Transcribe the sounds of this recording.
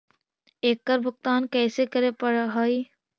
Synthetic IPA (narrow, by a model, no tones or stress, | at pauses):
eːkːəɾbʱʊk̚t̪aːnkɛːsekɐɾepɐɽɦaːi